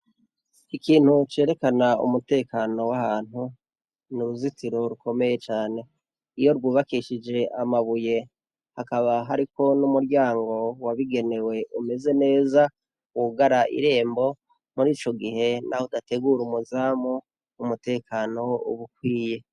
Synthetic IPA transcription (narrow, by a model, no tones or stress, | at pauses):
ikiːn̥hut͡ʃe̞ːɾe̞kanaṵmute̞ːkano̞wahaːn̥hu | nuɾuzitiɾo̞ɾuko̞me̞je̞t͡ʃaːne̞ | ijo̞ɾɡuːβakiʃid͡ʒe̞ʔamaβuje̞ | hakaβaɦaɾiko̞numuɾjaːŋɡo̞waβiɡe̞ne̞we̞ʔume̞ze̞ne̞ːza | wuɡaɾaʔḭɾe̞ːmbo̞ | muɾiːt͡ʃo̞ɡihe̞nʔahodate̞ɡuːɾumuzaːmu | umute̞ːkaːno̞ṵβuk̚wiːje̞